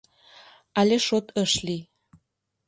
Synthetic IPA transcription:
ɑlʲeʃot̪əʃli

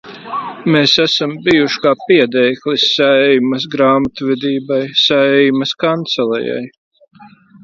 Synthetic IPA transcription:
meːsæsambijuʃkaːpiɛd̪ɛjklʲˠisːaɛjmɐs̬ɡɾaːmat̪vɛd̪iːbajsæɛjmɐskant̪sɛlˠɛ̰ja̰j

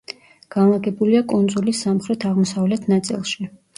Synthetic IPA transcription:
ɡ̥anlˠaɡɛbuliakʼund̪zulisamχɾɛt̪ʰaʁmɔsavlɛt̪ʰnat̪sʼḭlˠʃi

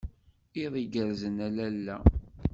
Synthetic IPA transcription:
iðˤiɡəɾzənælælːæ

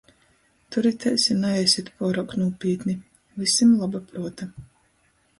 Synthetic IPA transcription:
t̪uɾit̪ʲɛjsʲinajɛjsʲit̪puɔɾawknuɔpʲiːt̪ni | visimlˠabapɾuɔt̪a

